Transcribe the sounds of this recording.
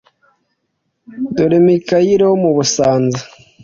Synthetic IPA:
duɾemikajiɾeomuβusaːnza

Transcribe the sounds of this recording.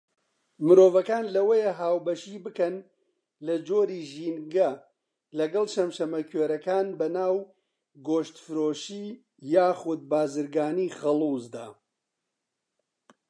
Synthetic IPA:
mɨɾoːvɐkaːnlɐwejeɦaːwbɐʃibɨkɐn | lɐd͡ʒoːɾiʒiːnɡɐ | lɐɡɐlˠt͡ʃɐmʃɐmɐkʰweːɾɐkaːnbɐnaːw | ɡoːʃt̪fɨɾoːʃiː | jaːxud̪̚baːzɨɾɡaːniːχɐlˠuzd̪a̰ː

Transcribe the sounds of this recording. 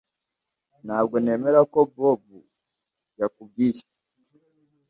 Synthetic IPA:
naɡɔnɛmɛɾakɔbɔbu | jakuɡisḁ

